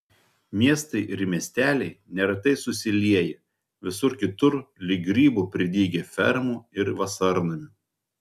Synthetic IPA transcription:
mʲiɛst̪ɐɪʔɪɾmʲiɛsʲt̪ʲæːlʲɛɪnʲɛɾɐt̪ɐɪsʊsʲɪlʲiɛjɛ | ʋʲɪsʊɾkʲɪt̪ʊɾlʲɪɡɾʲiːbupʲɾʲɪd̪ʲiːɡʲefʲɛɾmuːɪɾʋɐsɐɾnɐmʲɪ

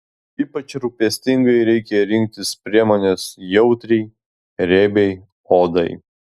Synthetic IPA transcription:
iːpɐt͡ʃɾupʲɛsʲt̪ʲɪŋɡɐɪɾʲɛɪkʲɛɾʲɪŋʲk̚t̪ʲɪspʲɾʲiɛmoːnʲesjɛʊt̪ʲɾʲɛɪ | ɾʲeːbʲɛɪ | oːd̪ɐɪ

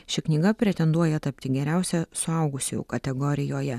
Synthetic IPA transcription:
ʃʲɪknʲiːɡɐpʲɾʲɛt̪ʲɛnd̪uɔjɛt̪ɐpʲt̪ʲɪɡʲɛɾʲæˑʊsʲɛsʊɐʊɡʊsʲʊ̰kɐt̪ʲɛɡɔɾʲɪjoːjɛ

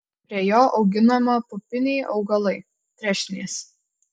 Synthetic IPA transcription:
pʲɾʲiɛjoːʔɒʊɡʲɪnɐmɐpʊpʲɪnʲɛɪʔɒʊɡɐlˠɐɪ | t̪ʲɾʲɛʃʲnʲeːs

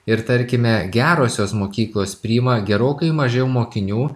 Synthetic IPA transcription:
ɪɾt̪ɐɾʲkʲɪmʲɛɡʲæːɾoːsʲoːsmoːkʲiːklˠoːspʲɾʲiːmɐɡʲɛɾoːkɐɪmɐʒʲɛʊmoːkʲɪnʲuː

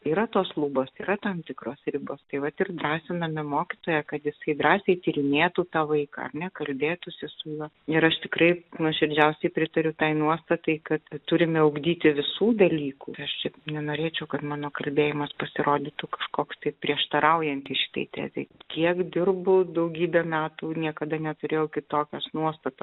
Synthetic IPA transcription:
iːɾɐt̪oːslˠuːboːsiːɾɐt̪ɐmt̪ʲɪkɾoːsɾʲɪboːst̪ɐɪʋɐt̪ɪrd̪ɾɑːsʲɪnɐmʲɛmoːkʲɪt̪oːjɛkɐt̪jɪsɐɪd̪ɾɑːsʲɛɪt̪ʲiːɾʲɪnʲeːt̪uːt̪ɑːʋɐɪkɑ̰ɐ̰rnʲɛkɐlʲbʲeːt̪ʊsʲɪsʊjuɔ | ɪɾɐʃt̪ʲɪkɾɐɪnʊʃʲɪɾʲd͡ʒʲɛʊsʲɛɪpʲɾʲɪt̪ɐɾʲʊt̪ɐɪnuɔst̪ɐt̪ɐɪkɐt̪t̪ʊɾʲɪmʲɪʊɡd̪ʲiːt̪ʲɪʋʲɪsuːd̪ɐlʲiːkṵːɪɐʃt͡ʃʲɛnʲɛnoːɾʲeːt͡ʃʲɛʊkɐt̪mɑːnoːkɐlʲbʲeːjɪmɐspɐsʲɪɾoːd̪ʲɪt̪ʊkɐʃkoːkst̪ɐɪpʲɾʲiɛʃt̪ɐɾɐʊjɛnʲt̪ʲiʃʲɪ̥t̪ɐ̰ɪt̪ʲæ̰ːzʲɛ̰ɪkʲiɛkd̪ʲɪrbʊd̪ɐʊɡʲiːbʲɛːmʲæːt̪uːnʲiɛkɐd̪ɐnʲɛt̪ʊɾʲeːjɛʊkʲɪt̪oːkʲɛsnuɔst̪ɐt̪ɐs

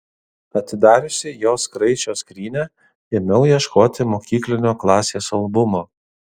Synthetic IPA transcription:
ɐt̪ʲɪd̪ɑːɾʲʊsʲɪjoːskɾɐɪt͡ʃʲoːskɾʲiːnʲæ | ɪmʲɛʊjiɛʃkoːt̪ʲɪmoːkʲiːklʲɪnʲoːklˠɑːsʲeːsɐlˠbʊmoː

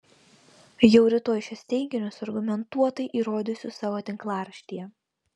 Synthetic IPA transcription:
jɛʊɾʲɪt̪oːjʃʲɛsʲt̪ʲɛɪɡʲɪnʲʊsɐɾɡʊmʲɛnt̪uɔt̪ɐɪʔiːɾoːd̪ʲʊsʲʊsɑːʋoːt̪ʲɪŋklˠɑːɾɐʃʲt̪ʲijɛ

